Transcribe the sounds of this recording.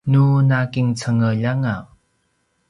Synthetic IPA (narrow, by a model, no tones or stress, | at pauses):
nunakiŋt͡sʰəŋəʎaŋa